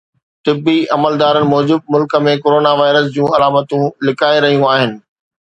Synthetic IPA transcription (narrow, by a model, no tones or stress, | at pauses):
t̪ɪbːiɐməld̪aːɾənɪ̆mɔːd͡ʑɪb̚mʊlkə̆mẽkoːɾoːnaʋaːɪɾəs̬d͡ʑũːɐlaːmət̪ũlɪkʰaːeɾɐɦijũaːɦɪnɪ̆